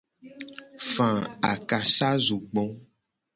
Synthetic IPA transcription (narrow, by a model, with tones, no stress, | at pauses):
fã˨a̰˨ka˨sa˦zu˨ɡ͡bɔ̃˨˦